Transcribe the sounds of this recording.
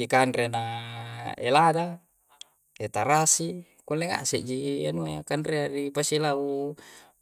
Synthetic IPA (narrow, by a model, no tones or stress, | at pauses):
ikanɾena | ḛlada | et̪aɾasi | kulːɛŋa̰ʔsɛʔd͡ʒianuajakanɾeaɾipasilau